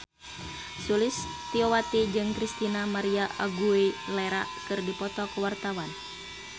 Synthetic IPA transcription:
sulist̪iowat̪id͡ʒɨŋkɾist̪inamaɾiaʔaɡuilɛɾakɨrdipɔt̪ɔkəwart̪awan

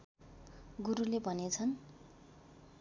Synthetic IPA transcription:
ɡuɾulebʱʌnet͡sʰʌn

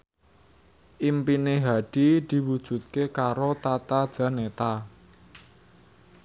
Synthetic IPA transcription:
ʔimpineɦaɖ̥i̤d̪̥i̤wud̥ʒ̥ṳt̪̚kekaɾot̪at̪ad̥ʒ̥a̤net̪a

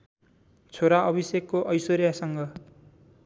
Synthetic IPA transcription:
t͡sʰoɾaʔʌbʱisekːoʔʌjsoɾjasʌŋɡʌ

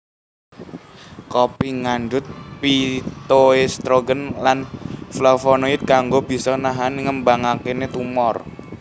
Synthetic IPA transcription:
kopiŋand͡ʒʊt̪̚pit̪oest̪ɾoɡənlanflɔfɔnoɪt̪̚kaŋɡob̥i̤sɔnaɦanŋəmbaŋakenet̪umɔr

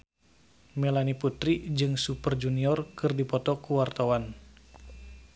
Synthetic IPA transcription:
melaniput̪ɾid͡ʒɨŋsupərd͡ʒuniɔrkɨrdipɔt̪ɔkuwart̪awan

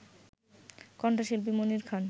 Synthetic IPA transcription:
kɔɳʈaʃilb̬imoniɾkʰan

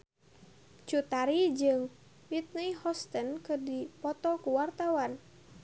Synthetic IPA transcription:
t͡ʃut̪aɾid͡ʒɨŋ | wit̪̚niihɔst̪ənkɨdipɔt̪ɔkuwart̪awan

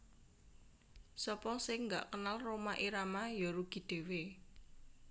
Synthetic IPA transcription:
sɔpɔsɪŋŋɡaʔkənalromaʔiɾamajɔɾuɡ̥i̤d̪̥e̤we

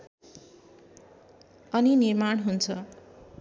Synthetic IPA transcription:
ʌninirmaɽ̃ɦunt͡sʰʌ

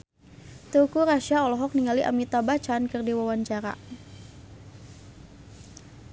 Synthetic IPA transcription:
t̪ukuɾaʃaɔlɔɦɔk̚niŋaliʔa̰mit̪abat͡ʃankɨrdiwawaɲt͡ʃaɾa̰

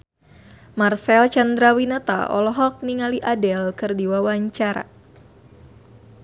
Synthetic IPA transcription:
marsɛlt͡ʃand̪ɾawinat̪a̰ɔ̰lɔɦɔk̚niŋaliʔadɛlkɨrdiwawaɲt͡ʃaɾa̰

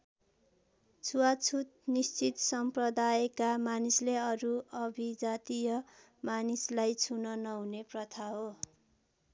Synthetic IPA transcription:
t͡sʰuwat͡sʰut̪̚nist͡sit̪sʌmprʌd̪aekamanisleʌɾuʌbʱid͡zat̪ijʌ | manislajt͡sʰunʌnʌɦuneprʌt̪ʰaɦo

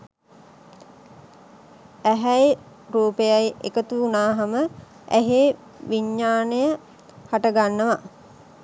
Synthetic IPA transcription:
æɦæj | ɾuːpejajḛkət̪uːnaːɦɐmə | æ̰ɦe | ʋiɲːaːnəjə | haʈəɡanːəʋa

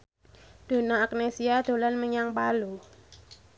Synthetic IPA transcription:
d̪̥o̤naːk̚nesiad̪̥o̤lanməɲaŋpalu

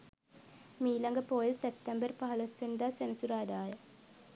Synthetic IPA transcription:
miːlɐŋɡəpoːjəsep̚t̪ɐmbərpɐɦɐlɐsːend̪aːsenɐsuɾaːd̪aːjə

